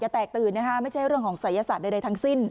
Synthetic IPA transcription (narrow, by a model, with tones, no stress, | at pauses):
t͡ɕa˨˩t̪ɛː˨˩k̚t̪ɯː˨˩nːa˦˥kʰa˦˥ma˥˩jt͡ɕʰa˥˩jɾɯ˥˩əŋkʰɔː˩˦ŋsa˩˦ja˧saː˨˩da˧jda˧jt̪ʰa˦˥ŋsi˥˩n